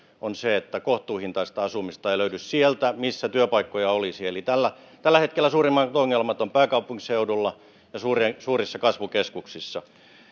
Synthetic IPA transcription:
onseet̪ːækoht̪uːhint̪ɑist̪ɑɑsumist̪ɑeiløydyssielt̪æmisːæt̪yøpɑikːojɑolisielit̪ælːæ | t̪ælːæhet̪kelːˑæsuːrimːɑt̪oŋːelmɑt̪ompæːkɑupuŋkseudulːɑ | jɑsuːresuːrisːɑkɑsʋukeskuksisːɑ

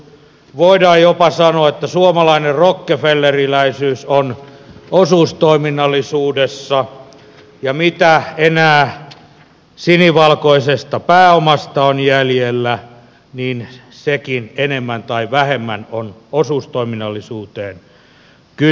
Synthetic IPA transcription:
ʋoidɑːjjopɑsɑnoɑet̪ːæsuomɑlɑinerrokːefelːerilæisyːsonosuːst̪oiminːɑlːisuːdesːɑ | jɑmit̪æenæː | siniʋɑlkoisest̪ɑpæːomɑst̪ɑonjæljelːæ | niːn | sekinenemːænt̪ɑiʋæhemːænonosuːst̪oiminɑlːisuːt̪eːn | ky

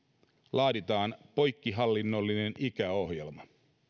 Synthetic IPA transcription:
lʔɑːdit̪ɑːnpo̞jkːiɦɑlːinːo̞lːine̞nʔikæo̞hjelmɑ

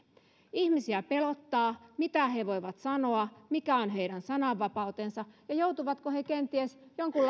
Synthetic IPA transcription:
ihmisiæpelot̪ːɑːmit̪æheʋoiʋɑt̪sɑnoɑmikæonɦeiɾænsɑnɑʋːɑpɑut̪ensɑjɑjout̪uʋɑt̪kohekent̪iesjoŋkul

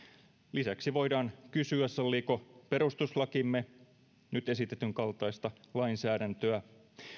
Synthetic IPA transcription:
lisæksiʋo̞jdɑːŋkysyæsselːiːkope̞ɾust̪uslɑkimːe̞ | nyt̪e̞sit̪et̪yŋkɑlt̪ɑist̪ɑlɑinsæːdænt̪øæ

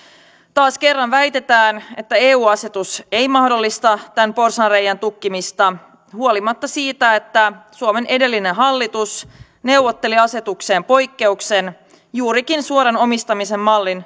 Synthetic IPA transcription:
t̪ɑːske̞rːɑnʋæjt̪e̞t̪æːne̞t̪ːæe̞ːuːɑse̞t̪use̞jmɑhdo̞lːist̪ɑt̪ænpo̞rsɑnrejænt̪ukːimist̪ɑ | huolimɑt̪ːɑsiːt̪æe̞t̪ːæsuome̞nʔe̞de̞lːine̞nɦɑlːit̪us | ne̞uwʋot̪ːe̞liɑse̞t̪ukse̞ːmpo̞jkːe̞ukse̞n | juːɾikinsuoɾeno̞mist̪ɑmise̞mːɑlːin

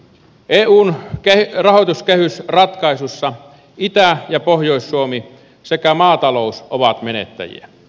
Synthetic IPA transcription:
ʔeːuːnkerɑhoˑit̪uskehysrɑt̪kɑisusːɑ | it̪æjɑpohjoˑisːuomi | sekæmɑːt̪ɑloˑusʔoʋɑt̪menḛt̪ːæ̰jḭæ

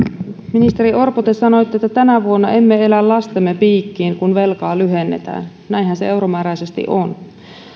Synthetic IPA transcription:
minist̪eɾiʔo̞rput̪esːɑno̞it̪ːeet̪ːæt̪ænæʋuonːɑʔe̞mːee̞lælɑst̪e̞mːepiːkːiːŋkunʋe̞lkɑːlyɦe̞nːḛt̪æ̰ːn | næjnɦænse̞e̞wɾomæːɾæjse̞st̪ḭʔon

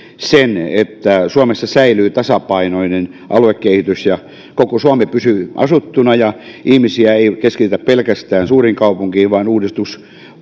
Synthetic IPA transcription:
senet̪ːæsuɑmesːɑsæilyːt̪ɑsɑpɑinoinenʔɑlwekːeihit̪ysjɑ | kokosuɑmepysyʔɑ̰sut̪ːunɑjɑʔihmisiæeikeskit̪et̪æppelkæst̪æːnsuːriŋkɑupuŋkiːʋʋɑːnuːdist̪us

